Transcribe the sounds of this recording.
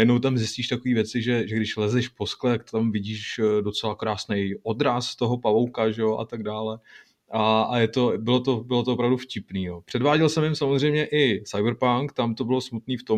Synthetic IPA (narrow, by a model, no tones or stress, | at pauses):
jɛdnowt̪̬amzɪsciːʃt̪akoviːvjɛt͡sɪʒɛʒɛɡdɪʃlɛzɛʃpo̞sklɛakt̪t̪amvɪɟiːʃdo̞t͡sɛlakɾaːsnɛjʔo̞d̪ɾast̪o̞ɦo̞pavo̞wkaʒɛjoʔa̰t̪aɡdaːlɛ | ʔaʔajɛt̪o̞bɪlo̞t̪o̞bɪlot̪̬oopɾavdufcɪpniːjoːpr̝̥ɛdvaːɟɛlsɛmjɪmsamozrɛjmɲɛʔɪsajbɾpaŋkt̪amt̪o̞bɪlo̞smut̪niːft̪o̞m